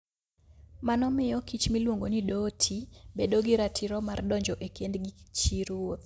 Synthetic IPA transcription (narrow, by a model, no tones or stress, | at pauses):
manɔmɪjɔkit͡ʃmilwoŋɡonidotʰibedoɡɪɾatʰɪɾɔmardɔɲd͡ʒɔʔekendɡit͡ʃiɾwot̪